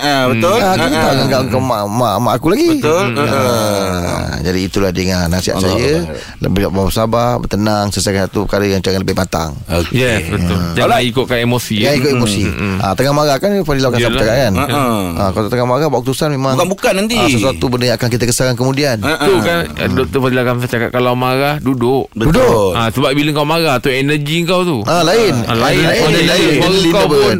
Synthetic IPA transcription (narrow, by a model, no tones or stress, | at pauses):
bət̪olakaaaʔɡaŋɡaʔəŋkamamamaʔakulaɡibəʊl | d͡ʒadiːt̪uladəŋanːasia̰ʔsajə | lə̰bɪlaʔbabəsababə̰t̪ənaŋsəsakanat̪upəkaɾəjaŋt͡ʃajanləbɪhmat̪a̰ŋjɛəjalaikʊʔ̪̚kanemosijaikʊt̪emosiʔa̰t̪əŋamaɾakanpadilakansaət͡ʃakajana̰kat̪əŋamaɾahwaʔkut̪usanmemãŋŋkanbukanːant̪isəsuat̪ubəndəjaŋakank̬it̪akəsakankəmũdiant̪ukan̰dɔk̚t̪əpadilakams̬at͡ʃaka̰ʔ̚kalawmaɾahdudʊʔbəudoasəbap̚biləŋkawmaɾaht̪uɛnəd͡ʒiŋkawt̪ualaɪnlalaiaəliaabən